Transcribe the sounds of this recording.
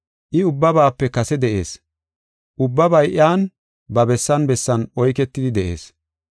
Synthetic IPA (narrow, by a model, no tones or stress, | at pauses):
ʔɪʊbːɐbaːpːɛkɐsɛd̪ɛʔe̞̰ːs | ʔʊbːɐbɐjʔɪjaːn | bɐbɛsːɐnbɛsːɐnɔjkɛt̪ːɪd̪ɪd̪ɛʔe̞̰ːs